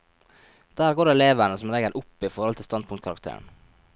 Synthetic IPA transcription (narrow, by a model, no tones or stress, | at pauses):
d̪̥æːɾɡoːɖeɛleːʋəɳəsɔmɾɛɡəɾʔʊpːɪfɔɾhɔlt̪ʰɪlst̪ɑnd̪̚pʰʊŋt̪̚kʰɑɾɑ̰k̚t̪ʰḛːɳ̩